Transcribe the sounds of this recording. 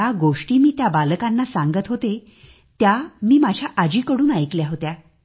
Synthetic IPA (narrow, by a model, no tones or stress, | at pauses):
aɡoʂʈiːmiːt̪jabalkanːasãŋɡət̪ɦot̪e | t̪jamiːmad͡ʑʱjaʔad͡ʑiːkəɽuːnajkljaɦot̪ja